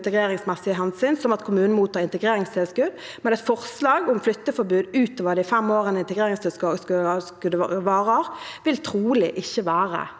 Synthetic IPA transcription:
t̪əɡʁeːʁɪŋsmɛsːɪəɦɛnsʏnsɔmɑt̪kʰʊmʉːn̩muːt̪ɑːɪnt̪əɡʁeːʁɪŋst̪ʰɛlskʉd̪ | mɛnɛt̪fɔʁslɑːɡʊmflʏt̪ːəfɔbʉːd̪ʉːt̪oːʋəd̪ɪfɛmoːʁənəɪnt̪əɡʁeːɾɪŋst̪ɪsskskʉd̪ʋɑːʁəʁʋɪlt̪ʰʁuːlɪʔɪçːəʋæːʁə̰

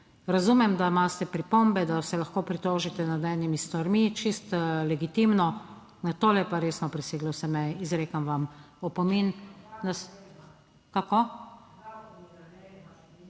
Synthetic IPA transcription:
ɾazumɛmd̪amaːst̪ɛpɾipombɛd̪asɛlaxkoːpɾit̪oːʒit̪ɛnad̪ɛːnimist̪aɾmit͡ʃist̪lɛɡit̪imnɔ | nat̪oːlɛjpaɾeːsnɔpɾɛseːɡlɔsɛmɛizɾeːkamʋam | ɔpɔminnas | kako

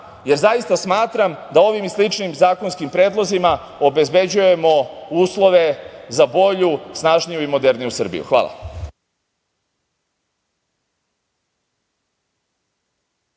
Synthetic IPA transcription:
je̞ɾzajist̪asmaːt̪ɾamd̪ao̞ʋimislˠit͡ʃnimzaːko̞nskimpɾe̞ːd̪lˠo̞zima | obe̞zbe̞d͡ʑuje̞mo̞uːslˠo̞ʋe̞zabo̞ʎusnaːʒnijuimo̞d̪e̞ɾnijusɨr̩bḭjṵxʋa̰ːla̰

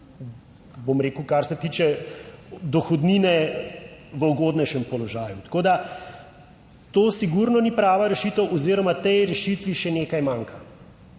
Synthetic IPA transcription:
bomɾeːkəʊkaɾsɛt̪iːt͡ʃɛ | d̪ɔxɔd̪niːnɛ | ʋəɔɡoːd̪nɛʃɛmpɔlɔʒaːjut̪ḁkoːd̪a | t̪oːsiɡuɾnɔnipɾaːʋaɾɛʃit̪əwʔɔziːɾɔmat̪ɛjɾɛʃit̪ʋiʃɛneːkajmaːŋka

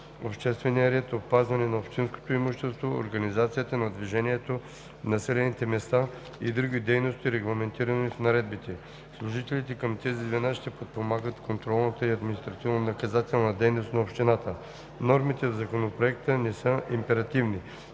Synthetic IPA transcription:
opʃt̪ɛst̪vɛnijəɾɛt̪opːazvɐnɛnɐopʃt̪insko̥t̪oimuʃt̪ɛst̪voo̰ɾɡɐnizat̪sijət̪ənɐd̪viʒɛniɛt̪o | nɐsɛlɛnit̪ɛmɛst̪a | id̪ɾuɡid̪ɛjnost̪iɾɛɡlˠɐmɛnt̪iɾɐnifnɐɾɛd̪̚bit̪ɛ | slˠuʒit̪ɛlit̪ɛkɐmt̪ɛzid̪vɛnaʃt̪ɛpot̪̚pomaɡət̪kont̪ɾɔlˠnət̪əiɐd̪minist̪ɾɐt̪ivnɐnɐkɐzat̪ɛlˠnɐd̪ɛjnost̪nɐopʃt̪inat̪ə | nɔɾmit̪ɛvzɐkonopɾoɛkt̪ənɛsəʔimpɛɾɐt̪ivni

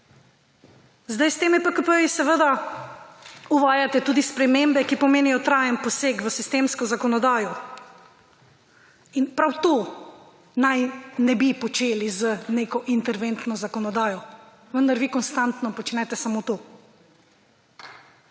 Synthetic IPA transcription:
zd̪ajst̪eːmipəkəpəjisɛʋəd̪a | uʋaːjat̪ɛt̪uːd̪ispɾɛmembɛkipɔmeːnijɔt̪ɾaːjənpɔseːkʋəsist̪eːmskɔzakɔnɔd̪aːjɔ | inpɾawt̪o | najnɛbipɔt͡ʃeːlizəneːkɔʔint̪ɛɾʋent̪nɔzakɔnɔd̪aːjɔ | ʋənd̪aɾʋikɔnst̪ant̪nɔpɔt͡ʃnɛt̪ɛsamot̪oː

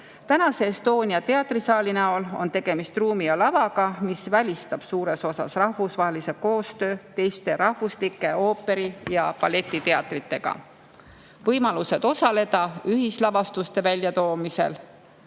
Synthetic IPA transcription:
t̪ænɑse̞ːst̪o̞ːnʲiɑt̪e̞ɑt̪risɑːlinæolo̞̰nt̪e̞ɡ̥e̞mist̪ruːmiɑlɑvɑɡ̥ɑmisvælʲist̪ɑb̥suːɾe̞so̞sɑ̰srɑhvusvɑɦelise̞ko̞ːst̪øːt̪e̞jst̪e̞ɾɑhvuslikːˑe̞o̞ːpːˑe̞ɾijɑpɑle̞t̪ʲˑːit̪e̞ɑt̪ˑrit̪ːe̞ɡ̥ɑ̰ | vɤjmɑluse̞d̪̥o̞sɑle̞d̪̥ɑyɦislɑvɑst̪ust̪e̞vælʲjɑt̪o̞ːmise̞̰l

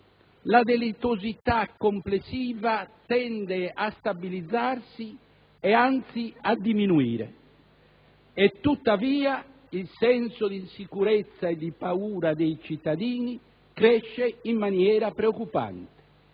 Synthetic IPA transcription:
lad̪elit̪ozit̪akːomplesːiːvat̪ɛnd̪ɛast̪abilid̪zːaɾsi | ɛant̪siad̪iminuḭːɾɛ̰ | ɛt̪ːut̪ːaviːa | ilsɛnsɔd̪insikuɾɛt̪sːaɛd̪ipauːɾad̪ɛit͡ʃit̪ːad̪iːni | kɾɛʃːɛimːanjɛːɾapɾeokːupa̰nt̪ɛ̥

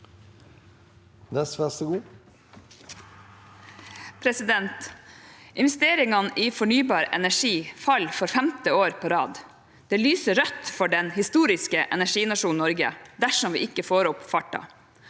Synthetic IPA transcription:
nɛsfæst̪əɡuː | pʰɾɛsɪd̪ɛnt̪ | ʔɪnʋɛst̪eːɾɪŋɑnʔiːfɔɳyːbɑːɾɛ̰næʂiːfɑlfɔɾfɛmt̪ɪoːɾpʰoːɾɑːd̪ | d̪̥eːlyːsəɾœt̪fɔɖɛnhɪst̪uːɾɪskəʔɛnæʂiːnɑʃuːn̩ɔɾɡə̰d̪æʂɔmʋḭːɪkːəfoːɾɔpfɑʈːɑ̰

